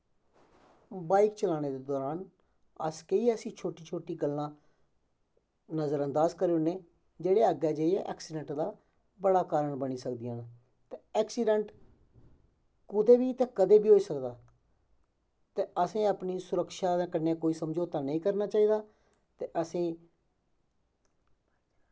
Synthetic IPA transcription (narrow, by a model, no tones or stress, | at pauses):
baːikt͡ʃəlaːñeːd̪eːd̪ɔːɾaːn | əskeiɛːəsĩːt͡ʃʰoːʈiːt͡ʃʰoːʈiːɡəlːãː | nəzəɾənd̪aːzkəɾeːʊneː | d͡ʒeːɽeːəɡɛːd͡ʒeːiɛ̰ʔɛ̰ːksiːɖəɳʈd̪aː | bəɽaːkaːɾəɳbəniːsəkd̪ɪjãːn | t̪eɛːksiːɖəɳʈ | kʊd̪eːbiːt̪ẽːkəd̪eːbiːɦoːiːsəkd̪aː | t̪eːəsĩːaːpniːsʊɾəkʃaːd̪ẽːkənːeːkoːiːsəmd͡ʒoːt̪aːnəĩːkəɾnaːt͡ʃaːiːd̪aː | t̪eːʔəsĩː